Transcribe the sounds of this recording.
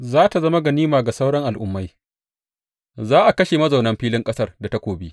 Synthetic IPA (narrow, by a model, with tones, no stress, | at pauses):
zaː˦ta˨zɐ˦ma˦ɡɐ˨niː˦maː˨ɡa˨sa˦wɽɐ˦ŋʔa˨lʔʊ˦mːa˦j | zaː˦ʔa˨kɐ˦ʃe˨mɐ˦za˨wnɐ˦mɸiː˦lɪ˦ŋkʼɐ˦sɐ˦rda˨ta˦kʷoː˨bi˦